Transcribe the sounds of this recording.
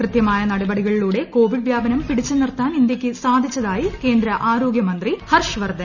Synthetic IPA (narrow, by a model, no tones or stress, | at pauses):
krɨt̪jɐmaːjɐnɐɽɐbɐɽiɣɐɭiluːɽe̞ko̞ːʋiɖʋjaːbɐnɐmpiɽit͡ɕːɨnirɐt̪ːaːnind̪jɐkʲːɨsaːd̪ʱit͡ɕːɐðaːjike̞ːnd̪ɾɐʔaːɾo̞ːɡjɐmɐnd̪rihɐrʂʋɐrd̪ʱɐ